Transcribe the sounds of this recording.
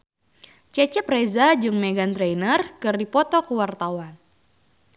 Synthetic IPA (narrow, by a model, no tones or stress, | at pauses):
t͡ʃɛt͡ʃɛprezad͡ʒɨŋmeɡant̪ɾejnərkɨrdipɔt̪ɔkəwart̪awan